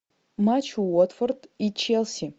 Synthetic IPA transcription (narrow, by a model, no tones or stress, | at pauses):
mat͡ʃʰuwɔtfɐrdit͡ʃʰelsi